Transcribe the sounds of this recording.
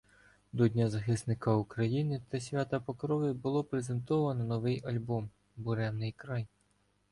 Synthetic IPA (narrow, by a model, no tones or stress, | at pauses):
d̪ɔdʲnʲazɐxɪsnɪkɐukɾɐjinɪt̪ɐsʲʋʲat̪ɐpɔkɾɔʋʲɪbʊlˠɔpɾezent̪ɔʋɐnɔnɔʋɪjɐlʲbɔm | bʊɾɛnnːɪjkɾɑj